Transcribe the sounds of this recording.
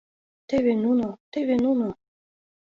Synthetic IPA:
t̪eβenunot̪eβenuno

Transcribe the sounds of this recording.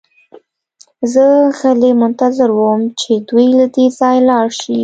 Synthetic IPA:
zəɣəlemʊnt̪azɪɾwəmt͡ʃed̪wujlad̪ezɑjlɑɽʃi

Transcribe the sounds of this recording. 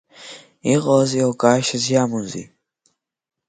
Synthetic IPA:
iʁɔziɔɡaːʃazijamunzḭ

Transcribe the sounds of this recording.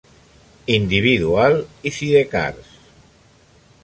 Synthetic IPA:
ind̪iβiðualiθiðeka̰ɾs

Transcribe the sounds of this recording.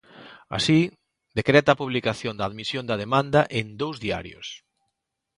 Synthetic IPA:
a̰si | d̪ekɾɛt̪ɐaːpuβlikaθjond̪ɐaðmisjond̪ɐðemãnd̪ɐʔend̪owzðia̰ɾjo̰s

